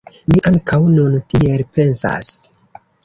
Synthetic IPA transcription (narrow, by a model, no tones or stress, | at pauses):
miʔaŋkʰawnuntielpe̞nsa̰s